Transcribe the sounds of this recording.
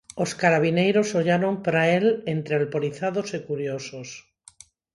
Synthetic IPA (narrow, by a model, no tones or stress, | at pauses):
oskaɾaβ̞inejɾo̞soʎaɾo̞mpɾaele̞nt̪ɾealpoɾiθaðosekuɾjosos